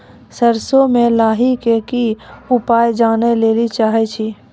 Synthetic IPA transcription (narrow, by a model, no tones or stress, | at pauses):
səɾsomẽlaːɦikekiʊpaːjd͡ʒaːneleːlit͡ʃaːɦet͡ʃʰiː